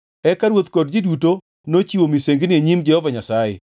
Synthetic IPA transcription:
ɛkaɾwot̪kɔd̚d͡ʒiduto | not͡ʃiwomiseŋɡnɪeɲimd͡ʒɛhɔvaɲasajɛ

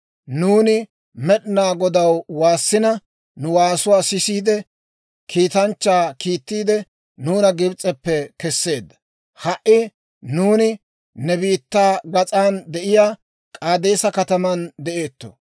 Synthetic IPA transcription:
nuːnɪ | mɛɗnaːɡɔd̪ɐwwaːsːɪnɐ | nʊwaːsʊwaːsɪsiːd̪ɛ | kʰiːt̪ɐnt͡ʃːaːkiːt̪ːiːd̪ɛ | nuːnɐɡɪbt͡sʼɛpːɛkɛsːe̞ːd̪ːɐ̥ | hɐʔɪ | nuːnɪ | nɛbiːt̪ːaːɡɐt͡sʼaːnd̪ɛʔɪjaː | kʼaːd̪eːsɐkɐt̪ɐmɐnd̪ɛʔe̞ːt̪ːo̰

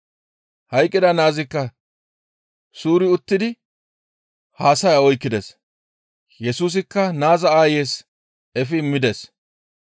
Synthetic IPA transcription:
hɐjkʼːɪd̪ɐnaːzɪkːɐ | suːɾɪʊt̪ːɪd̪ɪ | haːsɐjaɔjkːɪd̪ɛs | jɛsuːs̬ɪkːɐnaːzɐaːjeːs | ɛfɪmːɪd̪ɛs

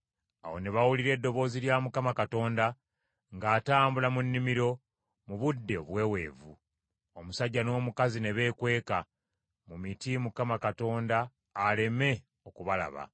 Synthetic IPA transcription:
a̰wo̞̰ne̞βawuliɾe̞ːdːo̞βo̞ːziljamukamakato̞ːnda | ŋɡaːtaːmbulamunːimiɾo̞ | muβudːe̞oβwe̞ːwe̞ːvu | omusaɟːano̞ːmukazine̞βe̞ːkwe̞ːka | mumitimukamakato̞ːndaː | le̞me̞ | o̞kuβala̰βa̰

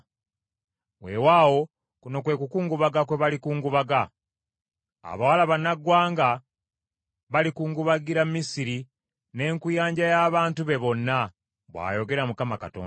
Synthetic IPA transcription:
wewaːwo̞ | kuno̞kwe̞ːkukuːŋɡuβaɡakwe̞βalikuːŋɡuβaɡa | a̰βawalaβanːaɡwaːŋɡa | βalikuːŋɡuβaɡiɾammisiɾi | ne̞ːŋkujaːɲɟajaβaːntuβe̞βo̞nːa | βwa̰ːjo̞ɡe̞ɾamukamaka̰to̰ːn

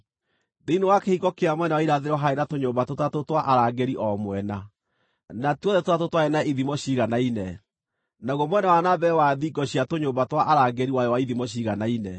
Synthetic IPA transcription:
ðeinowakehiɣɔkeamwɛnawaiɾaðeɾɔɦaenatoɲoːmbatotatotwaʔaɾaɡɛɾiʔɔmwɛna | natɔðɛtoatotwaɛnaiðimɔɕiɣanainɛ | nauɣɔmwɛnawanabɛwaðiɡɔɕiatoɲoːmbatwaʔaɾaɡɛɾiwajɔwaiðimɔɕ̬iɣanainɛ

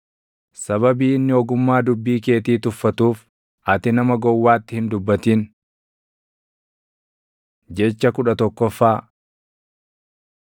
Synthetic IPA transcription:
sɐβɐbiːɪnːɪɔɡʊmːaːd̪ʊbːiːke̞ːt̪iːt̪ʊfːɐt̪uːf | ɐt̪ɪnɐmɐɡɔwːaːt̪ːɪhɪnd̪ʊbːɐt̪iːn | d͡ʒɛt͡ʃːɐkʊᶑɐt̪ɔkːɔfːaː

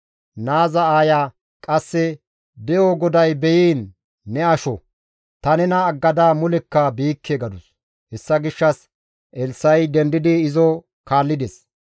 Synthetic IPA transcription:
naːzɐaːjaː | kʼɐsːɛ | b̪ɛjoɡɔd̪ɐjbɛjiːnː | ɛɐʃɔ | t̪ɐnɛnɐːɡːɐd̪aːmʊlɛkːɐbiːkʰːeɡɐd̪ʊs | hɛsːɐɡɪʃːɐs | ʔɛlsːɐjd̪ɛnd̪ɪd̪ɪːzɔ | kaːlːɪd̪ɛs

